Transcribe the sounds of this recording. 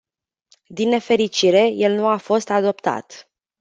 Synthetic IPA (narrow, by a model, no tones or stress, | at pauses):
d̪inːe̞fe̞ɾit͡ʃiɾe̞je̞lnuafo̞st̪ad̪o̞pt̪a̰t̪